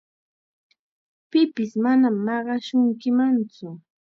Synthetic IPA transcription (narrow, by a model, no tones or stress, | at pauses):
pɪpɪsmanamːɑɢɑʃʊŋkɪmant͡sʊ